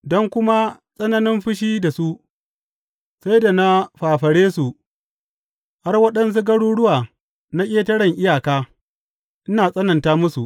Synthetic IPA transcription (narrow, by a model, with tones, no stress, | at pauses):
dɔ˦ŋkʷʊ˦ma˦sʼɐ˦nɐ˦nɪ˦mɸɪ˦ʃ̬iː˦da˨su˦ | sa˦jda˨na˦ɸaː˨ɸɐ˨ɽeː˦su˨ʔ | ha˦rwɐ˦ɗɐ˦ns̬u˦ɡɐ˦ɽuː˦ɽʊ˦waː˨ | na˦kʲʼeː˦tɐ˦ɽɐ˨ŋʔɪ˦jaː˨kaː˦ | ʔɪ˦naː˨sʼɐ˦nɐ˨ntaː˦mʊ˦su˨ʔ